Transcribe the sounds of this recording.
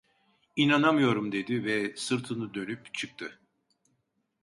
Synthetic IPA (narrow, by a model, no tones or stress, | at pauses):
inanamɯjo̞ɾumd̪e̞d̪ivɛsɯɾt̪ʰɯnɯd̪ø̞nypt͡ʃʰɯk̚t̪ʰɯ